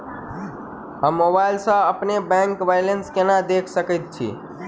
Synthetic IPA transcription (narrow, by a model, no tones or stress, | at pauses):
ɦəmːobajlsə̃əpnebɛ̃ŋkbajlenskenad̪ekʰsəkɛt̪̚t͡ʃʰḭ